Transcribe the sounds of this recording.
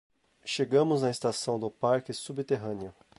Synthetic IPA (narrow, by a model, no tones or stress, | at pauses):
ʃeɡɐ̃mʊznɐest̪asɐ̃w̃d̪ʊpaɾkɪsubt̪eɦɐ̃nɪʊ